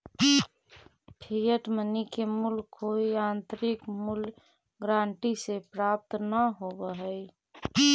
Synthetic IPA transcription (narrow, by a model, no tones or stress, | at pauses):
pʰijəʈmənikemulkʰːoiãnt̪ɾikmul | ɡɾãːɳʈisepɾap̚t̪nəɦobəɦəj